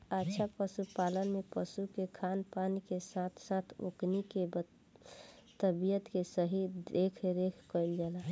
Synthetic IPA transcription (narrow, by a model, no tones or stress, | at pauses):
ətːʃʰapəsupalənmepəsukekʰanpanikesãt̪ʰsat̪ʰo̰knikeb | t̪əbijət̪kesəɦid̪ekʰɾekʰkəɪld͡ʒala